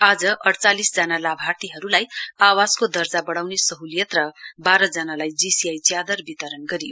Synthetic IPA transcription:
ad͡zʌʔʌɽt͡salisd͡zanalabʱart̪iɦʌɾulajawaskod̪ʌrd͡zabʌɽawnesʌɦulijʌt̪rʌbaɾʌd͡zʌnalajd͡zisiajt͡sjad̪ʌrbit̪ʌɾʌnɡʌɾijo

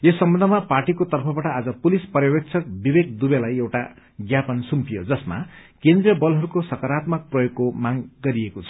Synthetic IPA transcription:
jesːʌmbʌ̃nd̪ʱʌmaparʈikot̪ʌrpʰʌbaʈʌad͡zʌpulispʌɾjʌbek̚t͡sʰʌk̚bibekd̪ubelajewʈa | ɡjapʌnsumpijod͡zʌsma̰kẽnd̪rijʌbʌlɦʌɾukosʌkʌɾat̪mʌk̚prʌjoɡ̚komaŋɡʌɾiekot͡sʰʌ̥

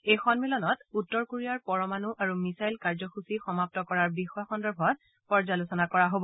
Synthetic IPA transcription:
ejxɔnmilɔnɔtutːɔɹkoɹiaɹpɔɹɔmanuʔaɹumisajlkaɹzɔxusixɔmap̚tɔkɔɹaɹbixɔjɔxɔndɔɹbʱɔt̚ | pɔɹzalusɔnakɔɹaɦobɔ

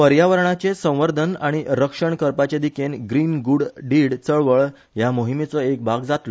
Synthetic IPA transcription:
pəɾjaʋəɾɳat͡ɕesə̃w̃ʋəɾd̪ʱənaɽ̃iɾəkʂəɳkəɾpat͡ɕed̪ikenɡɾiːnɡuɽɖiɽt͡səɭʋəɭ | jamoɦimet͡səek̚bʱaɡd͡zat̪lɔ

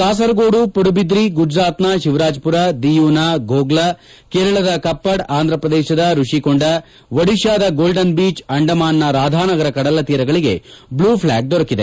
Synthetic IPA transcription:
t̪aːsɐɾɐɡoːɽupoɽubid̪ɾiɡud͡ʒɾaːt̪naʃiʋɾaːd͡ʒpuɾɐd̪ijuːnaɡoːɡlɐ | keːɾɐɭɐd̪ɐkɐpːɐɽaːnd̪ʱɾɐpɾɐd̪eːʃɐd̪ɐɾuʂikoɳɖɐ | ʋɐɽiʃaːd̪ɐɡoːlɖɐnbiːt͡ʃɐɳɖɐmaːnːɐɾaːd̪ʱaːnɐɡɐɾɐkɐɽɐlɐt̪iːɾɐɡɐɭiɡe̞̰bluːpʰlaːɡ̚d̪ɔɾɐkid̪e

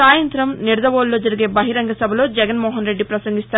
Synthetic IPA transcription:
aːjɐnt̪ɾɐmniɾɐd̪ɐʋoːlːo̞ːd͡ʒɐɾiɡe̞ːbɐɦiɾɐŋɡɐsɐbʱɐlo̞ːd͡ʒɛɡɐnmɔːɦɐnɾe̞ɖːipɾɐsɐŋɡist̪aː

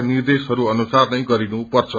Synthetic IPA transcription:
nird̪esɦʌɾuʌnusarnʌj̃ɡʌɾinupʌrt͡sʰʌ

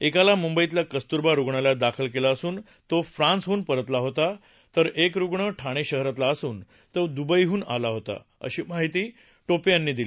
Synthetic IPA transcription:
ekalamumbəjit̪lakəst̪uɾbaɾuɡɳalad̪akʰəlkelaəsuːn | t̪ofɾãnsɦuːnpəɾət̪laɦot̪a | t̪əɾekɾuɡɳəʈʰaɽ̃eɕəɦɾat̪laəsuːn | t̪əd̪ubəjɦuːna̰laɦot̪a̰ | ə̰ɕiːmaɦit̪iː | ʈopijanːiːd̪ili

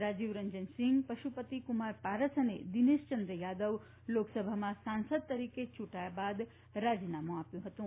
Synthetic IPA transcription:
ɾad͡ʒiʋɾəɲd͡ʒənsɪ̃ŋɡpəʃupət̪ikumaɾpaɾəsənḛd̪ineʃt͡ʃənd̪ɾəjad̪əʋ | loksəbʱamãsansəd̪̚t̪əɾiket͡ʃʰuʈajabad̪ | ɾad͡ʒinamũapjũɦət̪ũ

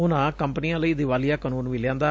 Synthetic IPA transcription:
ʊnãːkəmpənijãːləiːd̪ɪʋaːlijaːkənuːnʋɪljãːnd̪aː

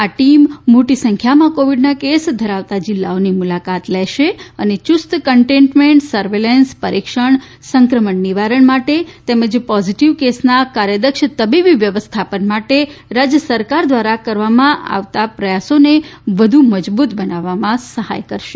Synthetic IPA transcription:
aʈimːoʈisə̃ŋkʰjamãkoʋiɖnakesd̪ʱəɾaʋt̪ad͡ʒɪlːaonimulakat̪lɛʃeənet͡ʃʊst̪kəɳʈẽɳʈmẽɳʈsəɾʋelenspəɾʔikʃəɳ | səŋkɾəməɳːiʋaɾəɳmaʈet̪eməd͡ʒpɔziʈiʋkesnakaɾjəd̪əkʃt̪əbibiʋjəʋəst̪ʰapənmaʈeɾad͡ʒjəsəɾkaɾd̪ʋaɾakəɾʋamãʔa̰ʋt̪apɾəjasoneʋəd̪ʱuməd͡ʒbut̪bənaʋːamãsəha̰jkəɾʃe

